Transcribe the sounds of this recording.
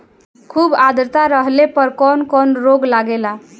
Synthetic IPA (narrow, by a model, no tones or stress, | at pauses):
kʰubad̪ɾt̪aɾəɦlepəɾkɔnkɔnɾoɡlaɡela